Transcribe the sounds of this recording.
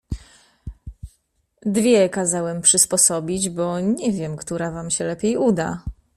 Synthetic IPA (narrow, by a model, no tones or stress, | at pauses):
d̪vʲjɛkazawɛmpʂɘspɔsɔbʲid͡ʑbɔɲɛvʲjɛmkt̪uɾavamɕɛlɛpʲjejud̪a̰